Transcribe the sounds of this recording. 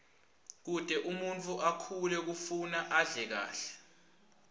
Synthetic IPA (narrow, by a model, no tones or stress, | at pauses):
k̬ud̥ʱɛʔumuntʰʼuʔakʰulɛk̬ufunaʔaɮɛk̬a̰ːɬɛ̥